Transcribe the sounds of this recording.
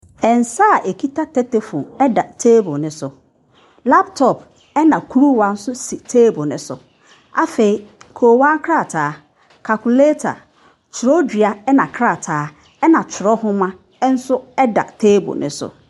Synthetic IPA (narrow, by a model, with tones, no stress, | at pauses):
ɛ˨n̩˨sa˦˨ʔe˨kʰi˦ta˦tʰɛ˦te˨fʊ̃˨ɛ˦da˨tʰeː˦bʊ˨nʊ̃˦sʊ˨ | la˦p̚tʰɔ˨p | ɛ˦nã˨kʰu˦ɾu˦wa˨˦n̩˦sʊ˦si˨tʰeː˦bʊ˨nʊ̃˦sʊ̰˨ | a̰˨fe˨i˦kʰoː˨wã˦kʰɾa˦˨tʰaː˨˦ | kʰa˨ku˨le˦tʰa̰˨ | t͡ʃʰʊ˨ɾɔ˦dᶣi˨a˨ɛ˦nã˨kʰɾa˦˨tʰaː˨˦ | ɛ˦nã˨t͡ɕʰɪ˨ɾɔ˦hʊ̃˦mã˦ | n̩˦sʊ˦ɛ˦da̰˨tʰeː˦bʊ̰˨nɪ̰̃˦sʊ̰˨